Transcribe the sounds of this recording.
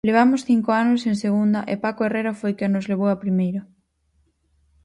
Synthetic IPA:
leβ̞amʊsθiŋkoanʊsẽnseɣ̞und̪ɐʔɪ̰pakoereɾafojkenozleβ̞owapɾimejɾa

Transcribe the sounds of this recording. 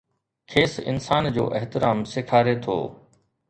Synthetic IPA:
kʰeːsɪ̰nsaːnd͡ʑo̰ːʔəɦt̪ɪɾaːmsɪkʰaːɾet̪ʰo̰ː

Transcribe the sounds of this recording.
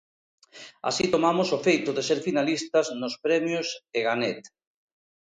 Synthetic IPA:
a̰sit̪omamʊsofejt̪ʊðeseɾfinalist̪ɐznʊspɾɛmjoseɣanɛt̪

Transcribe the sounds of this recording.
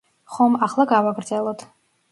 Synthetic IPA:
χɔmaχlˠaɡawaɡɾd̪zɛlˠɔt̪ʰ

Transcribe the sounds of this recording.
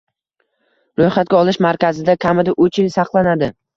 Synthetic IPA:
ɾojχat̪̚ɡʲaɒlˠɪʃmaɾkʲazɪd̪akʲʰamɪd̪aʔɵt͡ʃɪlsɑqlˠanad̪ɪ

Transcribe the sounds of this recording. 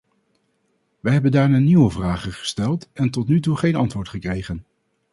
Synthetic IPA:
ʋɛjɦɛbəndaːɹnaːniʋəvraːχənχə̥stɛlˠtɛntɔtnytuχejnɑntʋʊːɹtχəkrejχən

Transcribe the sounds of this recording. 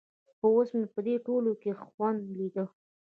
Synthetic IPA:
pəosmepəd̪eʈolokexwand̪lid̪ə

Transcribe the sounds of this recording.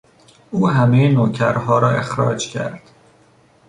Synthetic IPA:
uːɦæmejenoːcʰæɾɦɒːɾɒːe̞xɾɒ̰ːd͡ʒcʰæ̰ɾd̪̥

